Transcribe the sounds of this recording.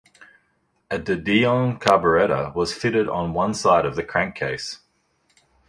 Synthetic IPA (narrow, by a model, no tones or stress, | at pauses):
ədədiə̃nkʰɑbəɹɛɾə̰wɒz̥fɪɾɪɾn̩wʌ̃nsaɪɾəvðɨkʰɹ̥æ̃ŋkʰeɪs